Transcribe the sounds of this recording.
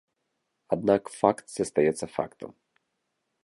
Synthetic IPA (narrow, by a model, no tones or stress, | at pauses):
ɐd̪̚nakfakt̪sɛst̪ɐjɛt̪sːɐfa̰kt̪ɔ̰m